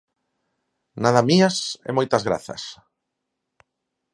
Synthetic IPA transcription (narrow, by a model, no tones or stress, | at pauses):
naðamiasḛmojt̪ɐzɣɾa̰θɐ̰s